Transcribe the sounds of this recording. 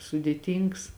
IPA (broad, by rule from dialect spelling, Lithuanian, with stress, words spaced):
sʊdʲeːˈtʲiːŋks